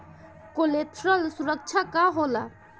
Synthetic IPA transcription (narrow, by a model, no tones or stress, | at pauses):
kolet̪ʰralsuɾak̚t͡ɕʰakaɦola